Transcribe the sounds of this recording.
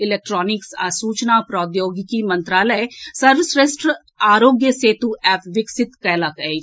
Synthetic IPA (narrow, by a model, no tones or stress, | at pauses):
ɪleːk̚ʈɾɔːnɪksa̰suːt͡ʃnaːpɾɔːd̪joːɡkimɐ̃nt̪ɾaːləjsɐɾʋɪsɾesʈɾ | aːɾoːɡjəseːt̪uɛːpʰʋɪksɪt̪kɛːlake